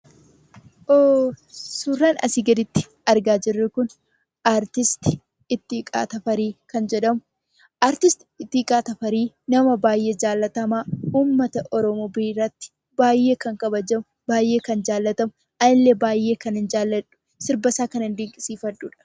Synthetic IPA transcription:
ʔoːsuːrːaːnɐ̰sɪɡɐd̪ɪt̪ːɪ̥ | ɐɾɡaːd͡ʒɪrːɛkʊn | ʔaːɾt̪ɪst̪ɪ̥ | ɪt̪ːikʼa̰ːt̪ɐfɐɾiːkɐnd͡ʒɛᶑɐmʊ | ʔaːɾt̪ɪst̪ɪ̥ɪt̪ːɪkʼaːt̪ɐfɐɾiː | nɐmɐbaːjʔe̞ːd͡ʒaːlːɐt̪ɐmaːuːmːɐt̪ɐʔɔɾɔmobiːrɐt̪ːɪ̥ | baːjːe̞ːkɐŋkɐbɐd͡ʒɐmʊ | b̥aːjːe̞ːkɐnd͡ʒaːlːɐt̪ɐmʊ | ʔɐnɪlːebaːjːe̞ːkɐnɪnd͡ʒaːlːɐᶑʊ̥ | sɪɾbɐsaːkɐnɪnd̪ɪŋkʼɪsiːfɐᶑuːᶑɐ̥

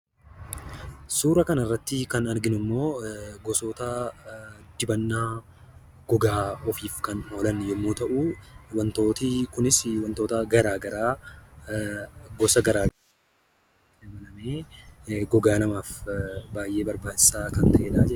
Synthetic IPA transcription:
suːɾɐkɐnɪrːɐt̪ːɪkɐnɐɾɡɪnʊmːo̞ːɡɔso̞ːt̪ɐ | d̪̥ɪbɐnːaː | ɡ̥ɔɡaːɔfiːfkɐno̞ːlɐnːjɛmːoːt̪ɐʔuːwɐnt̪oːt̪ɪkʊnɪswɐnt̪o̞ːt̪ɐɡɐɾaːɡɐɾaː | ɡɔsɐɡɐɾaːɡɐɾa | ɛmɐnɐmeː | ɡɔɡaːnɐmaːfbaːjʔe̞ːbɐɾbaːd͡ʒɪsaːkɐnt̪ɐʔeːᶑaːd͡ʒɛ

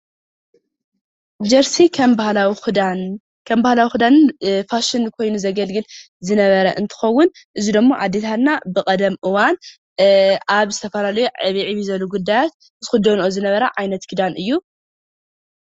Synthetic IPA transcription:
d͡ʒɐɾsikʰɐmbahlaw | kʰɐmbahlawixɨd̪anɨnfaʃɪnkʰo̞jnuzɐɡɐlɡɨl | zɨnɐβɐɾɐʔɨnt̪ʰɨ̥xɐwːʊn | ʔɨzid̪ɨmːoʔa̰d̪ːet̪ʰat̪nabɨkʼɐd̪ɐmʔɨwan | ʔaβzɨt̪ʰɐfɐlalɐjuʕɨβiʕiβizɐluɡud̪ːajat̪̚ | zɨxʊd̪onʔozɨnɐβɐɾɐʕajnɐt̪kʰɨd̪anʔɨjːu

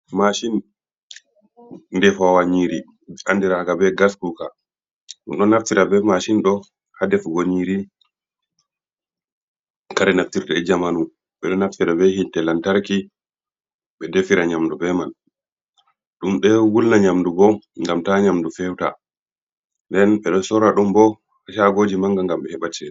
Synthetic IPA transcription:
maʃin | nːdɛfawaɲiɾi | andiɾaɡabɛɡaskuka | ɗumɗɔnaftiɾabɛmaʃinɗɔ | hadɛfɡoɲiɾi | kaɾɛnaftiɾɗɛɛd͡ʒamanu | ɓɛɗɔnaftiɾabɛhintɛlantaɾki | ɓɛdefiɾaɲamdubɛman | ɗumɗɛwulnaɲamdubɔŋɡamtaɲamdufɛwta̰ | ndɛnɓɛɗɔsɔɾaɗumbɔ | haʃaɡoːd͡ʒimaŋɡaŋɡamɓɛhɛɓat͡ʃɛ

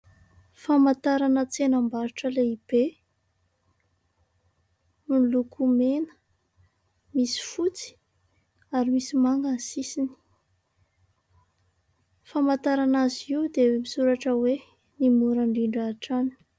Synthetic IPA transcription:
famat̪aɾanət͡senambaɾiʈ͡ʂəleib̥e | mulukumenə̥ | misi̥fut͡si̥ | aɾimisimaŋɡansisini̥ | famat̪aɾanaziud̪emisuɾaʈ͡ʂəwe | nimuɾaɳɖ͡ʐiɳɖ͡ʐaʈ͡ʂani̥

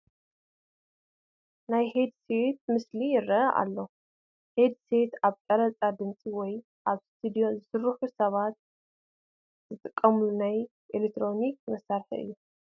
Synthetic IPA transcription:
najhed̪set̪̚mɨslijɪɾːɐʔɐʔa̰lːo̞ | he̞d̪se̞t̪aβt̪ʼɐɾɐt͡sʼad̪ɨnt͡sʼiwɔj | ʔaβst̪ʰud̪ijo̞zɨsɨɾɨħusɐβat̪̚ | zɨt̪ʼɨkʼːɐmlunaj | ʔelekt̪ʰɾo̞nikmɐsːaɾħḭɨ̰jːu

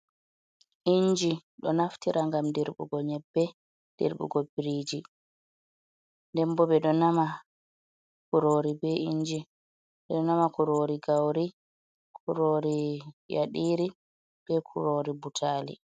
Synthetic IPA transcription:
ʔiɲd͡ʒiɗɔnaftiɾʔaŋɡamdiɾɓṵɡɔɲɛbːɛ | d̥ḭɾɓṵɡɔbiɾiːd͡ʒi | ndɛmbɔɓɛɗɔnama | kuɾoːɾibɛiɲd͡ʒi | ɓɛɗɔnamakuɾoːɾiɡawɾi | kʰuɾoːɾija̰ɗiːɾi | b̥ɛkʰuɾoːɾibutʰaːlḭ

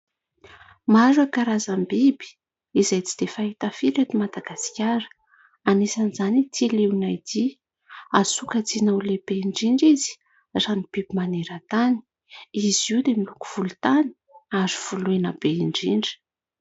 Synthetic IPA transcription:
mazakaɾazambibi̥ | izajt͡si̥d̪̥efaɦit̪afiɾet̪imad̪aɡasi̥kʲaɾə̥ | anesanizanit̪ʰileunajd̪i | asukət͡sinawleb̥eiɳɖ͡ʐiɳɖ͡ʐizi̥ | ranib̥ibimaneɾət̪ani̥ | iziud̪emiluku̥v̥ulut̪ani̥ | azuv̥uluenəb̥eiɳɖ͡ʐiɳɖ͡ʐə̥

